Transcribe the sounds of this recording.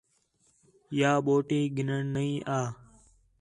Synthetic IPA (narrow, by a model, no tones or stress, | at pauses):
jaːɓoːʈiːɡʱɪnəɳnəĩːʔaː